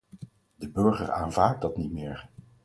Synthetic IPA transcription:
dəbɵɹχə̰ra̰ːnvaːt̚dɑtnitmɪːɹ

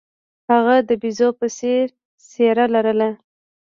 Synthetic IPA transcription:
haɣad̪əbizopəseɾ | seɾalaɾəla

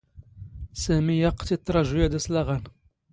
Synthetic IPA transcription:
sæmijɑqt̪it̪ˤːɾˤɑʒujæd̪æslæʁæn

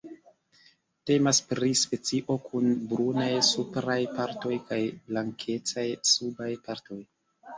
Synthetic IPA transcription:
te̞maspɾispe̞t͡siʔo̞kʰunbɾunajsupɾajpaɾto̞jkajblaŋkʰe̞t͡sajsubajpaɾto̞j

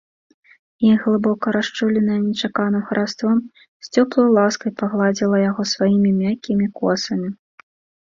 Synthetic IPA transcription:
iɣlˠɨbɔkɐɾaʂt͡ʂulʲɛnɐjɛnʲɛt͡ʂakanɨmxɐɾʔast̪vɔm | sʲt͡sʲɔplˠɐjlˠaskɐjpaɣlˠad͡zʲilˠɐjaɣɔsvajimʲimʲakʲːimʲikɔsɐmʲi

